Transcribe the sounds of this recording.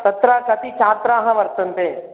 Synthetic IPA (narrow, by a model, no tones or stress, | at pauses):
t̪ɐt̪ɾaːkɐt̪it͡ʃʰaːt̪ɾãɦɐ̃ʋɐɾt̪ənt̪ẽː